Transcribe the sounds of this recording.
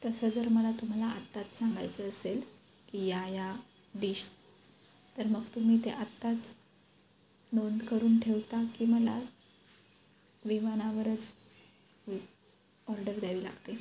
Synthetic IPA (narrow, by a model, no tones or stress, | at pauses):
t̪əsəd͡zəɾməlat̪um̤alaat̪ːat͡s̪saŋɡa̰jt͡səːsel | kijaja | ɖiːɕ | t̪əɾməɡt̪um̤iːt̪eʔat̪ːat͡s | nond̪kəɾuːnʈʰeʋt̪akiːməla̰ | ʋiʋanaʋəɾət͡s | ɔɾɖəɾd̪aʋiːla̰ɡt̪e